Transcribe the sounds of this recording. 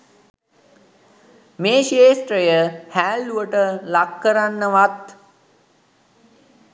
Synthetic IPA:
meːʃeːsʈɾəjəhæːlːuəʈəlakːəɾanːəʋat̪

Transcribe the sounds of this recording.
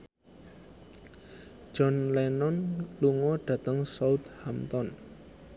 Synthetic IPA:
d͡ʒ̥ɔ̤nlɛnɔnluŋɔɖ̥a̤t̪əŋsaut̪̚hamt̪ɔn

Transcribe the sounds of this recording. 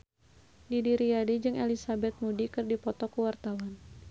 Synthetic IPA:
didiɾiadid͡ʒɨŋʔelisabɛt̪̚mudikɨrdipɔt̪ɔkuwart̪awan

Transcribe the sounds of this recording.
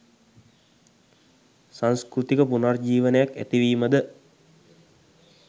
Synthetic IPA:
sanskɾut̪ikəpunard͡ʒiːʋənəjakæ̰t̪iʋiːməd̪ə

